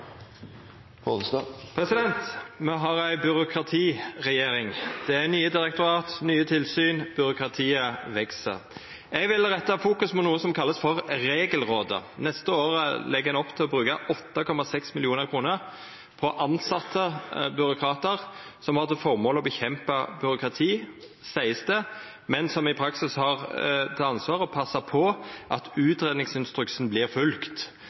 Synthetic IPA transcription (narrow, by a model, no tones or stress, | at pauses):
pɔsɑpʰɾɛsɪd̪ɛnt̪mɛɦɑʁæɪbʏɾʊkʰɾɑt̪ʰiːʁɛjeːʁɪŋd̪̥ɛænyːəd̪ɪɾɛk̚t̪ʊɾɑːt̪nyːət̪ʰɪlsyːnb̥ʏɾʊkʁɑt̪ʰiːəʋɛksə̰ | ɛɡʋɪlʁɛt̪ːɑfuːkʉsmɔnuːəsɔmkʰɑlːəsfɔʁɾeːɡəlʁoːd̪ə̰nɛst̪əoːɾəlɛɡæɪnɔpːt̪ʰɪlɔbɾʉːkɑʔɔt̪ːɑkʰɔmːɑsɛksmɪlɪuːnəʁkʰɾuːnəʁ | pʰɔʔɑnsɑt̪ʰːəbʏɾʊkʰɾɑːt̪əʁsɔmhɑt̪əfɔʁmoːlɔbəçɛmpɑbʏɾʊkʁɑt̪ʰiː | sæɪəst̪ə | mɛnsɔmɪpʰɾɑksɪshɑʁt̪ʰɛɑnsʋɑːʁəpʰɑsːɑpʰɔʔɑt̪ʉːt̪ʁɛd̪ɪŋsɪnst̪ɾʉksnblɪʁfʉlkt̪